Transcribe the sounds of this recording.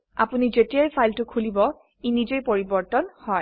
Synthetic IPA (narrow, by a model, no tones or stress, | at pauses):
a̰punizetijajpʰajltʊkʰulibɔ | inizejpoɹibɔɹtɔnhɔj